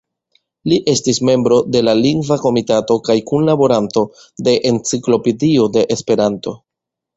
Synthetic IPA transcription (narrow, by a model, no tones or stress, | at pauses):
liʔe̞stisme̞mbɾo̞de̞laliŋɡvako̞mitato̞kajkunlabo̞ɾanto̞ | de̞ʔent͡siklo̞pedio̞de̞ʔːspe̞ɾanto̞